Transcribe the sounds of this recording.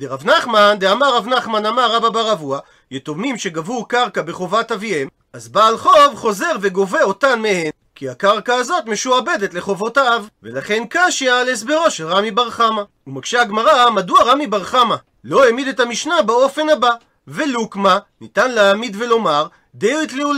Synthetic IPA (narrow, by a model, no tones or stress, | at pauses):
d̪eʁavnaχmand̪eamaʁavnaχmanamaʁababaʁavua | jet̪omimʃe̞ɡavukaʁkabe̞χo̞vatavie̞m | ʔazbaːlχo̞vχo̞ze̞ʁve̞ɡo̞veo̞tanmehe̞n | kʰiakaʁkaːzo̞tme̞ʃuabe̞detle̞χo̞vo̞taavvelaχe̞nkaʃeales̬beʁoʃelʁamibaʁχama | umaɡ̥ʃeaɡmaʁamaduaʁamibaʁχama | lo̞emid̪etamiʃnabao̞fe̞naba | velukmanitanleamid̪ve̞lo̞maʁ | d̪ejitliul